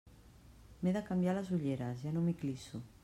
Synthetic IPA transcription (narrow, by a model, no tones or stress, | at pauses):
meðakambjalazuʎeɾazʒanõmiklisu